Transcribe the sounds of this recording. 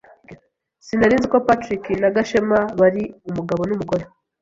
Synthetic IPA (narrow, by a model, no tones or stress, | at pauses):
sinaɾiːnziko̞patɾikinaɡaʃemaβaɾiumuɡaβo̞numuɡo̞ɾe